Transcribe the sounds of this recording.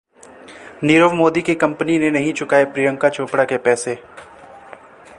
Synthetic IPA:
niːɾəʋmoːd̪ikekɐ̃mpəninenɐɦĩt͡ʃʊkaːepɾiːɾə̃ŋkat͡ʃʰoːpɽakepɛːse

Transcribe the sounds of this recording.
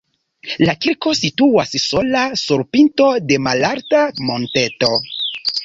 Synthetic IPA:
lakiɾko̞situasso̞lasuɾpinto̞de̞malaɾtamo̞nte̞to̞

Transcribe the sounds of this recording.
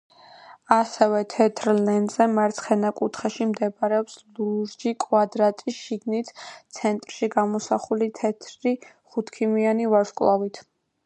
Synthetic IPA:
asɛvɛt̪ʰɛt̪ʰɾlɛnd̪zɛmaɾt̪sʰχɛnakʼut̪ʰχɛʃimd̪ɛbɾɛɔpsluɾd͡ʒikʼwad̪ɾat̪ʼisʃiɡnit̪ʰt̪sʰɛnt̪ʼɾʃiɡamɔsaχulit̪ʰɛt̪ʰɾi | χut̪ʰkʰimianivaɾʃkʼlˠavit̪ʰ

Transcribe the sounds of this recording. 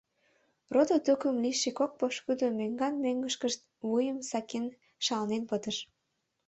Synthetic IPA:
rod̪ot̪ukəmliʃikok̚poʃkyd̪omeŋɡɑnmøŋɡəʃkəʃt̪̚ | βujəmsɑken | ʃɑlnenpət̪əʃ

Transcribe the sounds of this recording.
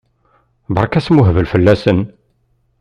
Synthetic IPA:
bɑɾˤkæsmʊɦəvəlfəlːæsən

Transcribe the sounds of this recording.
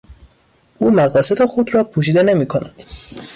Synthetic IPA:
ʔuːmæɣɒːse̞d̪exod̪rɒːpʰuːʃ̬iːd̪e̞ne̞miːkʰo̞næd̪̥

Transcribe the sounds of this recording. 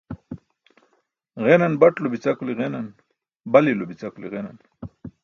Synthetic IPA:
ɣenanbaʈlobit͡sakuliɣenan | balilobit͡sakulḭɣenan

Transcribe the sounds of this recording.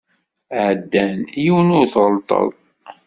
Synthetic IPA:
ʕd̪ːænjiwənʊɾθʁəlt̪ˤə̰ðˤ

